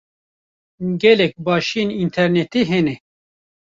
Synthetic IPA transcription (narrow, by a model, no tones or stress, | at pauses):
ɡɛlɛk̚bɑːʃienint̪ʰɛɾnɛt̪eɦenɛ